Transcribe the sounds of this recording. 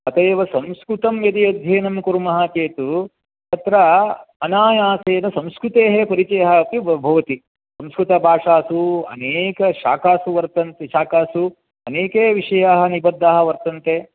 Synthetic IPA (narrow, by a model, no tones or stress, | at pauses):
ɐt̪eːʋɐsɐ̃mskɾut̪ɐmjɐd̪ijɐd̪ʱjeːnɐmkuɾmɐɦat͡ʃeːt̪u | t̪ɐt̪ɾɐɐnaːjaːseːnɐsɐ̃mskɾut̪eːɦepɐɾit͡ʃɐjɐɦɐpiɐbʱɐʋɐt̪i | sɐ̃mskɾut̪ɐbʱaːʂaːsuɐ̰neːkɐʃa̰ːkaːsuʋɐɾt̪ɐnt̪eʃaːkaːsu | ɐneːkeːʋiʂɐjaːɦɐnibɐd̪ʱːaːɦɐ̆ʋɐɾt̪ɐnt̪eː